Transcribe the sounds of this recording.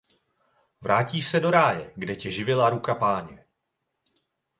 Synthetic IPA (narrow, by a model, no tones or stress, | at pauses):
vɾʔaːciːʃsɛdo̞ɾaːjɛɡdɛcɛʒɪvɪlaɾukapaːɲɛ